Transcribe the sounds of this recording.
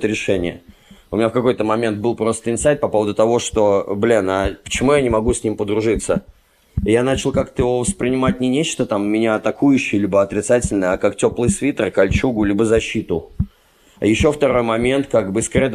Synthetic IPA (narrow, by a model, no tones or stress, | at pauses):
t̪ɾʲɪʂɛnʲɪ̰jə | ʊ̰mʲɪnʲafkɐko̞jt̪əmɐmʲe̞nt̪̚bɨlˠpɾo̞st̪əɪnsajt̪̚pɐpo̞vəd̪ʊt̪ɐvo̞ʂt̪o̞blʲinapə̥t͡ɕɪmujanʲɪmɐɡusʲnʲimpəd̪ɾʊʐɨt̪sə | ɪjanat͡ɕɪlˠkakt̪əjɪvo̞vəspɾʲɪnʲɪmat̚ʲnʲɪnʲet͡ɕt̪ət̪amːʲɪnʲaɐt̪ɐkujʉɕːɪjəlʲibəɐt̪ɾʲɪt̪satʲɪlʲnəjɐkaktʲo̞plˠɨjsvʲit̪ərkɐlʲt͡ɕuɡʊlʲibəzɐɕːit̪ʊ | a̰jɪɕːo̞ft̪ɐɾo̞jmɐmʲe̞nt̪kaɡbɨskɾʲed̪